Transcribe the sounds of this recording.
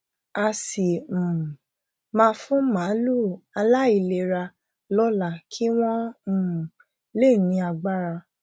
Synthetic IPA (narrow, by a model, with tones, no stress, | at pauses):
a˧sĩ˨ | mãː˦˧˦fũ˦mã˨˦lu˦˨a˧la˦i˨le˧˨ɾa˧ | lɔ˦la˦˨kʰi˦w̃ɔ̃˦˨ | le˦˨nĩ˧˦a˧ɡ͡ba˦ɾa˧